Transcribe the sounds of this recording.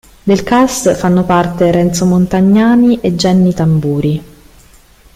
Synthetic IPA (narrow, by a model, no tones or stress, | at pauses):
d̪elkasfanːopart̪eɾɛnt̪somont̪aɲːaːniʔed͡ʒːɛnːit̪ambuːɾi